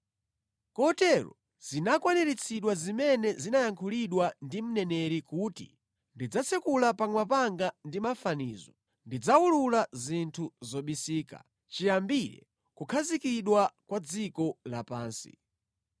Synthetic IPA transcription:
kɔtɛɾɔ̰ | z̥inakwanɛɾit͡sʰiɗwazimɛnɛzinajaŋkʰuliɗwandim̩nɛnɛɾikutḭ | ndid͡zat͡sʰɛkulapaŋwapaŋɡandimafaniːzɔ | ndid͡zaululazintʰuzɔɓisiːka̰ | t͡ʃijambiɾɛ̰ | kukʰazikiɗwakwad͡zikɔlapaːnsḭ

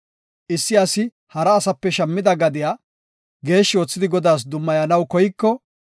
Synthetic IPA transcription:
ʔɪsːɪɐsɪ | hɐɾɐːsɐpːɛʃɐmːɪd̪ɐɡɐd̪ɪjaː | ɡe̞ːʃːɪoːt͡sːɪd̪ɪɡɔd̪aːs̬d̪ʊmːɐjɐnɐwkɔjɪkːɔ

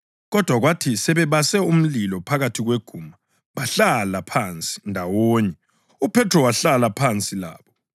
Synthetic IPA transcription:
ɣɔd̥ʱwaɣwatʰisɛβɛβasɛum̩lilɔpʰaɣatʰiɣweɡ̥ʱuːma | βaɬalapʰant͡sʼi̥ndʱawoɲɛ | upʰɛtrɔwaɬalapʰant͡sʼila̰ːβɔ

